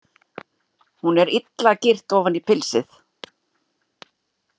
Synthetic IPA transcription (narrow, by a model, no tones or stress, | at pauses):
hunɛɾɪt̪lacɪr̥t̪ɔːvanipʰɪlsɪθ